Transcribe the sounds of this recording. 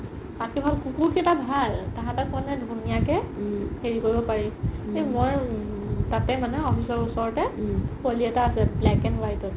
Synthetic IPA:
atibʱalkukukitabʱaltaɦãtakɔnɛdʱunijakɛheɹikoɹibɔpaɹiemojɹ | tatɛmanɛɔfʰisɔɹusɔɹtɛkoliɛtaːsɛblɛkɛnbajtɔ

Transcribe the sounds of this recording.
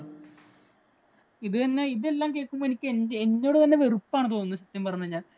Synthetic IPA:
iðɨɐnːeiðe̞lːaːmke̞ːɭkːumboenikʲːɨeneɲːo̞ːɽɨt̪ɐnːe̞ʋerupːaːɳɨt̪o̞ːnunːuɕɐt̪ːjɐmpɐrɐɲːɐɲːaːl

